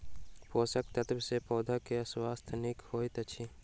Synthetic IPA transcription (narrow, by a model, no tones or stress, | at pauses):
poːsək̚t̪ɐt̪bsepɔːd̪ʱakeɐswaːst̪ʰnikhoːit̪ɐt͡ʃʰi